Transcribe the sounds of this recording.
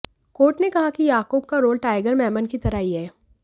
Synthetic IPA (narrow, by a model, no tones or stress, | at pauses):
koːʈnekɐɦakijaːkoːb̚kaɾoːlʈaːɪɡəɾmɛːmənkit̪ɐɾaːɦiɦɛː